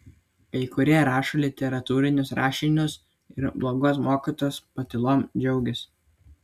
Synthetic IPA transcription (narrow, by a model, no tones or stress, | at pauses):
pʲɛɪkʊɾʲiɛɾɑːʃolʲɪt̪ʲɛɾɐt̪uːɾʲɪnʲʊsɾɑːʃʲɪnʲʊs | ɪɾblˠoːɡoːsmoːkʲit̪oːspɐt̪ʲɪlˠoːmd͡ʒʲɛʊɡʲɪs